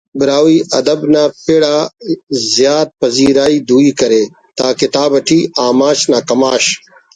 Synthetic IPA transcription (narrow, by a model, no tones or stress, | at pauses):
bɪɾaːwiːʔɐd̪ɐbnaːpeɽaːzjaːt̪̚pɐziːɾaːiːd̪uːiːkɐɾeː | t̪aːket̪aːbɐʈʰiːaːmaːɕnaːkɐmaːɕ